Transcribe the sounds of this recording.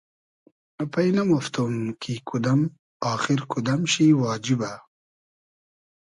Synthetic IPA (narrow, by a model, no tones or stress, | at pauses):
ɐpɐjnɐmoft̪umkʰikʰud̪ɐm | ɑːxiɾkʰud̪ɐmɕiwɑːd͡ʒiba